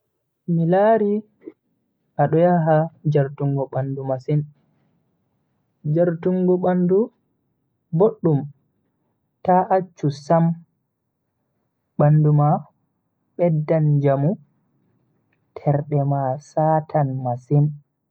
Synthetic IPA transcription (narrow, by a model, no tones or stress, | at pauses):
milaɾi | ʔaɗɔjaɦad͡ʒaɾtuŋɡɔɓandumasin | d͡ʒaɾtuŋɡɔɓandu | boɗːum | taʔat͡ʃːusam | ɓanduma | ɓɛdːand͡ʒamu | tʰɛɾɗɛmasaːtʰanmasin